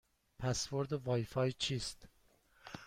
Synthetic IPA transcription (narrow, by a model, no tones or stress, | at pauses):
pʰæsvoɾd̪ovɒːjfɒːjt͡ʃʰiːst̪